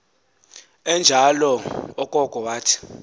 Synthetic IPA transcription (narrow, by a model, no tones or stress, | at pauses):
ɛnd͡ʒʱalɔɔkʼɔkʼɔwaːtʰi̥